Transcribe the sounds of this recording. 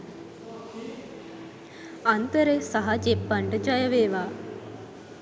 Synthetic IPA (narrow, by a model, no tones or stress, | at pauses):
ant̪əɾesaɦɐd͡ʒepːaɳɖəd͡ʒajəʋeːʋaː